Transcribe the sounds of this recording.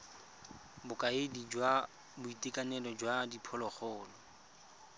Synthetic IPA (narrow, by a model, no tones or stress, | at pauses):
bʊkʼaɪdid͡ʒwa | bʊitʼekʼanɛlɔd͡ʒwadipʰɔlɔχɔːlɔ